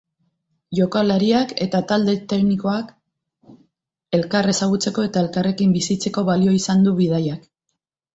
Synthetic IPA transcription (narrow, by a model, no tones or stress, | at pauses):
ʝo̞kalaɾiake̞t̪at̪ald̪e̞t̪e̞kniko̞ak | e̞lkare̞saɣ̞ut͡se̞ko̞e̞t̪ae̞lkare̞kimbisit͡se̞ko̞βalio̞isand̪uβið̞ajak